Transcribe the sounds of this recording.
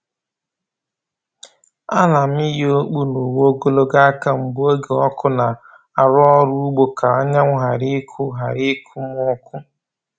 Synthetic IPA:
a̰˦na˨m̩˦i˦ɦi˦o˦k͡pu˦no˨wo˦ɡo˦lo˦ɡa˦a˦ka˦ŋ͡m̩˨ɡ͡bo˦ɡe˨ɔ˦kʊ˦na˨ | a˨ɾɔ˦ɾu˦u˦ɡ͡bo˦ka˨a˦ɲa˦ŋʷ˦ɦa˨ɾi˦kʰʊ˦ɦa˨ɾi˦kʰu˦m˦ɔ˦kʊ˦

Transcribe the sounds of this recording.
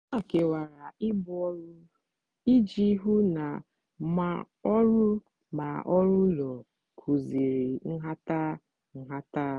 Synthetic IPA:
a˦˨ke˨wa˨ɾa˨ɪ˦bʊ˦ɔ˦ɾʊ˦ | i˦d͡ʒi˦ɦu˦na˨ | ma˨ | ɔ˦ɾʊ˦ | ma˨ʔɔ˦ɾʊ˦lɔ˨ | kʰu˨zi˨ɾi˨ŋ̩˦ɦa˦ta˦ | ŋ̩˨ɦa˦ta˦

